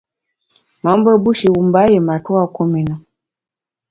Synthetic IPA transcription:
ma˨˦mbɔ˦bu˦ʃi˨wu˨mba˦jɛ˨ma˨tu˦a˦ku˦mi˨na˨

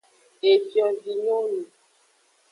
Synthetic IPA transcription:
e˨fjɔ̃˨vi˨ɲo˦nũ˨

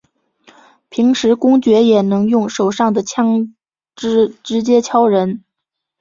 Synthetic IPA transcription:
pʰi˧˥ŋʂɻ̩˧˥kʊ˥ŋt͡ɕɥɛ˧˥jɛ˨˩nɤ˧˥ŋjʊ˥˩ŋʂo˨˩ʊʂɑ˥˩ŋd̪ə˩t͡ɕʰjɑ˥ŋ | ʈ͡ʂɻ̩˥ʈ͡ʂɻ̩˧˥t͡ɕjɛ˥t͡ɕʰjɑ˥ʊɻə˧˥n

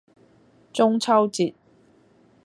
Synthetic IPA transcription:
t͡sʊ˥ŋt͡sʰɐ˥wt͡siː˨t̚

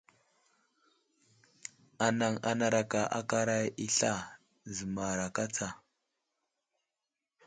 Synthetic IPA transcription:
a˨na˨ŋa̰˦na˨ɾa˨ka˨ʔa̰˦ka˦ɾa˦ji˦ɬa˦ | zə˨ma˨ɾa˨ka˦t͡sa˨

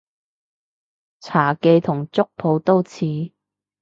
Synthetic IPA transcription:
t͡sʰaː˨˩ke˧jt̪ʰʊ˨˩ŋt͡sʊ˥k̚pʰo˨˧wt̪o˥wt͡sʰiː˨˥

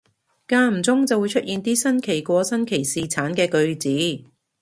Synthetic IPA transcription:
kaː˧m̩˨˩t͡sʊ˥ŋt͡sɐ˨wu˨˧jt͡ʃʰɵ˥t̚ʔiː˨˧nt̪iː˥sɐ˥nkʰe˨˩jkʷɔː˧sɐ˥nkʰe˨˩jsiː˨˧t͡sʰaː˨˥nkɛː˧kɵ˧ɥt͡siː˨˥

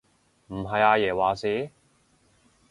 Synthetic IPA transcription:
m̩˨˩ɦɐ˨jaː˧jɛː˨˩waː˨siː˨˥

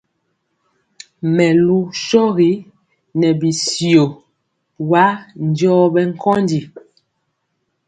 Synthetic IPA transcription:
mɛ˨lu˦ʃɔ˦ɣi˨˦ | nɛ˨bi˨sjo˨ | wa˦n˨˦djɔ˦bɛ˦ŋ̩˦kʰɔ˦ndi˨

